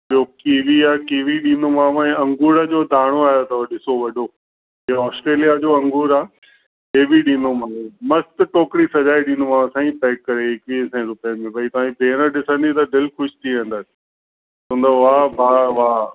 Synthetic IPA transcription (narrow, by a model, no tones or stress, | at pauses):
okiːʋiaːkiːʋiɗĩːnomãːʋɛ̃ːɐ̃ŋɡuːɾəd͡ʑoːd̪ʱaːɽ̃oaːjot̪ɐɗɪsoʋɐɖʱo | iːɔːsʈɾeːlijad͡ʑoːɐ̃ŋɡuːɾaː | ɦeːbiɗĩːnomãːmɐst̪ʈoːkɾisɐd͡ʑaːiɗĩːnomãsãːĩpɛːkːɐɾeɪkʋiːsɛ̃ːɾʊpijəmẽbɐit̪ɐʋãːĩbʱeːɾəɗɪsə̃nd̪it̪ɐd̪ɪlxʊʃt̪ʰiʋɛ̃nd̪əsɪ̥ | sũːnd̪oʋaːbaːʋaː